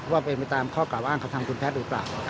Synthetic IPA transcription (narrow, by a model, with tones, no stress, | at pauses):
waː˥˩pe˧npa˧jt̪aː˧mkʰɔː˥˩klaː˨˩wʔaː˥˩ŋka˧t̪ʰa˧mkʰu˧npʰɛː˦˥t̪̚duː˩˦pla̰ː˨˩w